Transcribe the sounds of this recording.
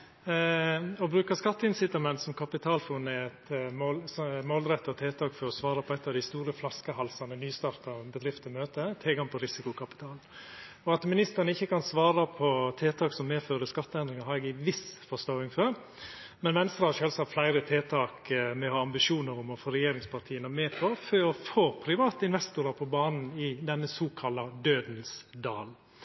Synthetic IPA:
ɔbɾʉːkəskɑt̪ːəɪnsɪt̪ɑmɛnt̪sɔmkʰɑpɪt̪ʰɑːlfʊnɛɛt̪molsmoːlɾɛt̪ːɔt̪ʰeːt̪ʰɑːkfɔɾɔsʋɑːɾɑpʰɔɛɪt̪ːɑʋd̪ɪst̪uːɾəflɑskəhɑlsɑnənyːst̪ɑːɾt̪ɑbəd̪ɾɪft̪əmøːt̪ət̪ʰɛːɡɑŋpʰɔɾɪsɪkʊkʰɑpɪ̥t̪ʰɑːln | ɔɑt̪mɪnɪst̪əɾnəɪçːəkɑnsʋɑːɾɑpʰɔt̪ʰeːt̪ʰɑːksɔmːeːføːɾəskɑt̪ːəɛnd̪ɾɪŋɑɦɑɾɛɡɪʋɪsfɔst̪oːɪŋføɾ | mɛnmɛnəst̪ɾəhɑɾʂøːlsɑflæɪɾət̪ʰeːt̪ʰɑːkmɛɔhɑːɑmbɪʂuːnəɾʊmɔfoːɾɛjeːɾɪŋspʰɑɾt̪ʰiːənəmeːpʰɔføːɔfoːpʰɾɪʋɑːt̪əɪnʋɛst̪ʊɾɑpʰɔbɑːnn̩ɪd̪ɛnːəsuːkʰɑlɑd̪øːd̪n̩sd̪ɑːl

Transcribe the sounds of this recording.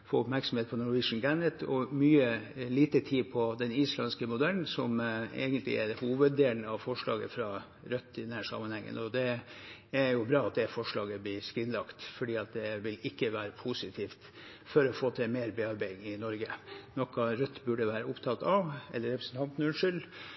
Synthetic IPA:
foːʊpmæɾksɔmheːt̪pʰɔnʊɾʋɪʂn̩ɡænət̪ʰɔmyːəliːt̪ət̪ʰiːpʰɔd̪ɛniːslɑnskəmʊd̪æln̩sɔmḛɪɡənt̪ʰlɪ̰ʔɛɾhuːʋəd̪eːlnəɑʋfɔʂɭɑ̰ːɡə̰fɾɑ | ɾœt̪ːɪd̪ɛnhæʂɑ̰mːənhɛŋːə̰nɔd̪ɛ | æɾjʊbɾɑːɑt̪̚d̪ɛfɔʂɭɑːɡəblɪskɾɪnlɑkt̪fɔɖiːɑt̪̚d̪ɛʋɪlɪkːəʋæːɾəpʰusɪt̪ʰiːft̪ | fɔɾɔfoːt̪ʰɪlmeːɾbɛɑɾbæɪŋɪnɔɾɡənɔkːɑɾœt̪ːbʉɖəʋæːɾəʊpt̪ʰɑt̪ɑʋɛ̰lːəɾɛpɾəsn̩t̪ʰɑnt̪nʉnʂʏl

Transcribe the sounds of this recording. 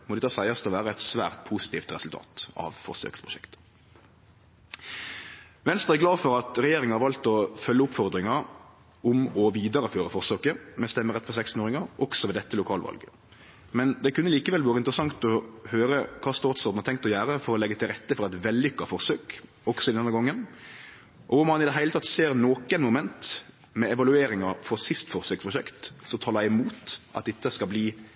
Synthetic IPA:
mɔd̪ɪt̪ʰɑːsæɪɑst̪ʰɔʋæːɾəɛɪt̪sʋæ̰ːʁt̪̚pʰusɪ̥t̪ʰiːft̪ɾɛsʉlt̪ʰɑ̰ːt̪ɑ̰ʋfɔ̰ʁsø̰ːkspʰʁʊʃɛkt̪ | ʋɛnst̪ʁɑæɡlɑːfɔɾɑt̪ɾɛjeːɾɪŋhɑɾʋɑlt̪ɔfœlːəʊpfɔʁd̪ɾɪŋɑɾ | ʊmɔʋiːd̪ɑɾəføːɾəfɔʁsøːkəmɛst̪ɛmːəʁɛt̪fɔʁsɛkst̪n̩oːɾɪŋɑʁʔɔksɔʋɛːd̪ɛt̪ːəlʊkʰɑːlʋɑ̰lɡə | mɛnd̪ɛkʰʉnːəliːkəʋɛlʋɑːɾəɪnt̪ɾəsɑŋt̪ɔhøːɾəkʰɑːst̪ɑːt̪sɔɾd̪n̩hɑt̪ɛŋkt̪ɔjæːɾəfɔɾɔlɛɡːət̪ʰɪlɾɛt̪ːəfɔɾæt̪ʋɛlːʏkːɑfɔɾsøːk | ɔksɔɪd̪ɛnəɡɔŋːən | ʔɔʊmɑnɪd̪ɛɦæɪlət̪ʰɑt̪ːseːɾnoːkənmʊmɛnt̪ | mɛɛʋɑlʉeːɾɪŋɑfɔɾsɪst̪fɔɾsøːkspʰɾʊʃɛkt̪sɔt̪ʰɑːlɑɪɛmuːt̪ʔɑ̰t̪̚d̪ɛt̪ːəskɑlbliː

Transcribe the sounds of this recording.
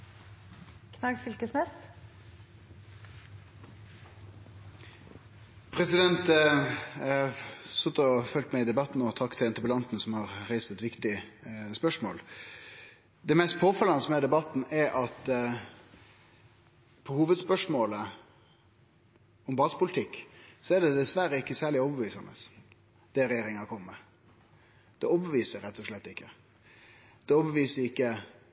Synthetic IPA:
kʰnɑɡfʏlkəsnɛs | pʰɾɛsɪd̪ɛnt̪ | sʉt̪ːɔfœlt̪mɛɪd̪ɛbɑt̪ːn̩ɔt̪ʰɑkt̪ʰɪɛnt̪əbəlɑnt̪n̩sɔmhɑʁɾæɪsɛt̪ʋɪkt̪ɪspœʂmo̰ːl | d̪ɛmɛst̪̚pʰoːfɑlɑnəsmɛd̪ɛbɑt̪ːn̩ɛɾʔɑt̪ | pʰɔhuːʋəd̪spœʂmoːlə | ɔmbɑːsə̥pʊlɪt̪ʰɪkːsɔɛɖɛd̪ɛsʋæɾəɪkːəsæːɭɪɔbəʋiːsɑnə̰s | d̪̥ɛɾɛjeːɾɪŋɑkʰɔməmɛ | d̪̥ɛɔbəʋiːsəɾɛt̪ːɔʂɭɛt̪ːɪkːə | d̪̥ɛɔːbəʋiːsəɾɪkːə

